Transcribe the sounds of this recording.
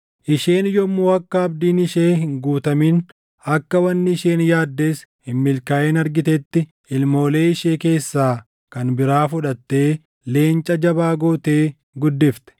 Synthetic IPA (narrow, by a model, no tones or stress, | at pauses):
ʔɪʃeːnjɔmːoːɐkːɐɐbd̪iːnɪʃeːɦɪŋɡuːt̪ɐmiːn | ɐkːɐwɐnːɪːʃeːnjaːd̪ːe̞ːshɪmːɪlkaːʔeːnɐɾɡɪt̪ɛt̪ːɪ | ɪlmo̞ːle̞ːɪʃeːke̞ːsːaː | kɐnbɪɾaːfʊᶑɐt̪ːe̞ː | le̞ːnt͡ʃʼɐd͡ʒɐbaːɡoːt̪e̞ː | ɡʊd̪ːɪft̪ɛ̥